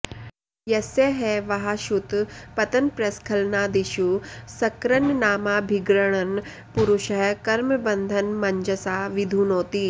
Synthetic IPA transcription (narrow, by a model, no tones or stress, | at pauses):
jɐseɦeʋɐɦaʃut̪pɐt̪ɐnpɾɐskʰɐlnaːd̪iʃusɐkɾɐnnaːmaːbʱiɡɾɐɽ̃ɐn | puɾuʃɐɦkɐɾməbɐnd̪ʱɐnmɐɲd͡ʒɐsaːʋid̪ʱuːnoːt̪i